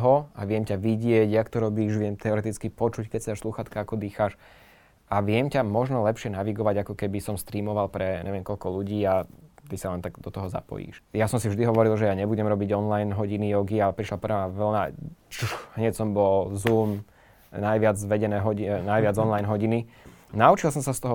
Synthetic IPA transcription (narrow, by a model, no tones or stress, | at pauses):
ɦɔa̰ʋɪɛmcaʋiɟɪɛɟjakt̪ɔɾɔbiːʃʋɪɛmt̪ɛɔɾɛt̪it͡skipɔt͡ʃuckɛcsɛd̪aʃsluxat̪kaakɔd̪iːxaʃ | ʔaʋɪɛmcamɔʒnɔlɛpʃɪɛnaʋiɡɔʋaɟakɔkɛbisɔmst̪ɾiːmɔʋalpɾɛɲʔɛ̰ʋɪɛmkɔlkɔluɟiːat̪isalɛnt̪aɡd̪ɔt̪ɔɦɔza̰pɔ̰jḭːʃjasɔmsivʒd̪iɦɔʋɔɾilˠʒɛjaɲɛbuɟɛmɾɔbiɟɔnlajnɦɔɟinijɔɡialɛpɾiʃlapɾɛʋaʋl̩na̰t͡ʃuɦɲɛcsɔmbɔlzuːm | najʋɪad͡zʋɛɟɛnɛːɦɔinajʋɪad͡zɔnlajnɦɔɟini | naut͡ʃilˠsɔmsast̪ɔɦɔ